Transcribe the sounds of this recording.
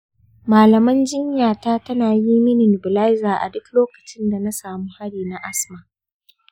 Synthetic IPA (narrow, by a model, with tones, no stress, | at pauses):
maː˨lɐ˨mɐ˦nd͡ʒɪ˦ɲjaː˨taː˦tɐ˦naː˨ji˦mɪ˦nɪ˨n˨bʊ˨la˦jzaː˨ʔa̰˨dʊ˦kloː˦kɐ˨t͡ʃɪ˦nda˨na˦saː˨muː˦ha˦ɽiː˨na˦ʔa˦smaː˨